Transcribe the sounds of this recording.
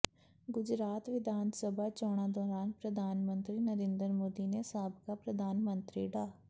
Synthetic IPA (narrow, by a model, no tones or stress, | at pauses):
ɡʊd͡ʒɾaːt̪ʋɪd̪aːnsəbaːt͡ʃɔːɽ̃ãːd̪ɔːɾaːnpɾəd̪ʱaːnmənt̪ɾiːnəɾẽːnd̪əɾmoːd̪iːneːsaːbkaːpɾəd̪ʱaːnmənt̪ɾiːɖaː